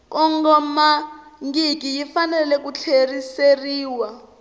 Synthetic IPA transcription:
kʼɔŋɡɔmaŋɡik̬ijifanɛlɛk̬ut͡ɬʰeriseriːwa

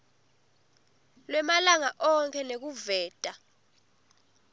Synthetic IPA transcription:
lwɛmalaŋaʔɔŋkʰʼɛnek̬uvɛːtʼa

